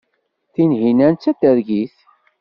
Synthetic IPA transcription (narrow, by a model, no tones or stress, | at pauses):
θinɦinænt͡sːæd̪əɾɡiθ